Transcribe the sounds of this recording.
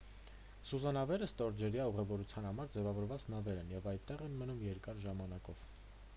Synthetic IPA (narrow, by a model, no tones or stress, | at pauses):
suzɑnɑvɛɾəst̪ɔɾd͡ʒɛɾjɑuʁɛvɔɾut͡sʰjɑnhɑmɑɾd͡zɛvɑvɔɾvɑt͡snɑvɛɾɛnjɛvɑjt̪ːɛʁɛnmənumjɛɾkɑɾʒɑmɑnɑkɔv̥